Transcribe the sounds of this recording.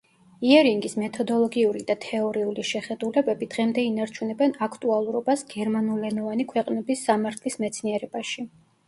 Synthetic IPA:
iɛɾiŋɡismɛt̪ʰɔd̪ɔlˠɔɡiuɾid̪at̪ʰɛɔɾiuliʃɛχɛd̪ulɛbɛbid̪̥ʁɛmd̪ɛinaɾt͡ʃʰunɛbɛnakʰt̪ʼualˠuɾɔbasɡ̥ɛɾmanulɛnɔvanikʰwɛqʼnɛbisːamaɾt̪ʰlismɛt̪sʰniɛɾɛb̥aʃi

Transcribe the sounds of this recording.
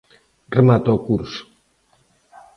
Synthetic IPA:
remat̪okuɾs

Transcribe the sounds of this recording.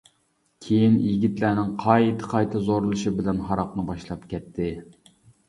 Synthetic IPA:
kʲʰejinjiɡʲit̪lænɪŋqʰɑjt̪ʰɨ̥qʰɑjt̪ʰɨzoɾɨlˠɨʃɨbɪlɛnɦɑɾɑqnɨbɑʃlˠɑpkʲɛt̪ʰːɪ

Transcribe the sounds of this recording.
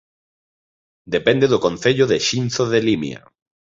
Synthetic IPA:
d̪epɛ̃nd̪eðʊkonθeʎʊðeʃinθoðelimj̰ɐ̰

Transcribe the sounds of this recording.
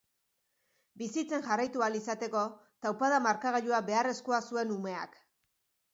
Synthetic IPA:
bisit͡se̞nʝarajt̪ualisat̪e̞ko̞ | t̪awpaðamaɾkaɣaʎuabe̞are̞skoasue̞nume̞a̰k

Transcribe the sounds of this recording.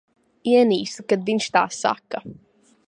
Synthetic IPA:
iɛniːsukad̪vinʃt̪a̰ːsːa̰kːɐ

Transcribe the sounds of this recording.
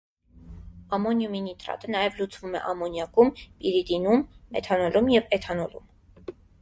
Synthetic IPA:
ɑmɔnjuminit̪ɾɑ̰t̪ənɑjɛvlut͡svumɛ̰ʔɑmɔnjɑkumpiɾid̪inumːɛ̰t̪ʰɑnɔlumjɛvɛt̪ʰɑnɔlṵm

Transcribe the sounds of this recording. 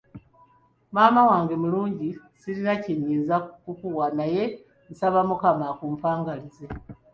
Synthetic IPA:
maːmawaːŋɡemuluːɲɟi | silinaciɲiːzakukuwanaje | n̩saβamukamakuːɱfaːŋɡalize

